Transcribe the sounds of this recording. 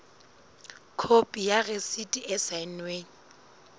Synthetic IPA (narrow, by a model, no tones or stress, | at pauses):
kʰopʼijaresitʼiʔɛsaɪnweːŋi